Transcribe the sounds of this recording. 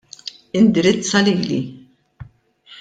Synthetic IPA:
ɪnd̪ɪɾɪt͡sːɐliːlḭ

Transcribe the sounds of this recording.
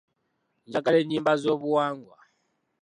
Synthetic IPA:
nd͡ʒak̬alɛnimbazɔβuwaŋɡwa̰

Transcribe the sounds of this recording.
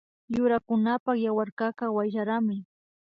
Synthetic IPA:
jʊɾakʊnapaχjawaɾkakawajʒaɾamɪ

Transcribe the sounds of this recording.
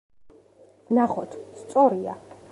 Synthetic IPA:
naχɔt̪ʰst̪sʼɔɾia̰

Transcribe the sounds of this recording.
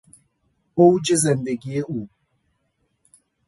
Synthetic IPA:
owd͡ʒɪzɛndeɡieu

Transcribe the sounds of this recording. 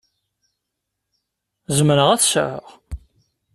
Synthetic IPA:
zəmɾəʁæθsə̰ʕəʁ

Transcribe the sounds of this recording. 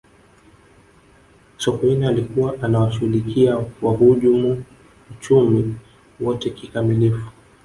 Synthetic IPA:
sɔkɔinialikuwaʔanawaʃuulikiawaɦuʄumu | ut͡ʃumi | wɔtɛkikamilifu̥

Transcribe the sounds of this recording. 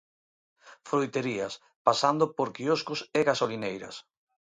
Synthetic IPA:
fɾojt̪eɾias | pasand̪opoɾkioskʊseɣasolinejɾɐ̰s

